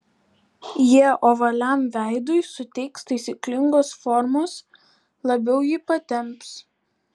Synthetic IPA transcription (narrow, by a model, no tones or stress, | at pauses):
jiɛʔoːʋɐlʲɛˑmʋʲæˑɪd̪ʊɪsʊt̪ʲɛɪkst̪ɐɪsʲiːˑklʲɪŋɡoːsfɔɾmoːs | lˠɐbʲɛʊjɪpɐt̪ʲɛmps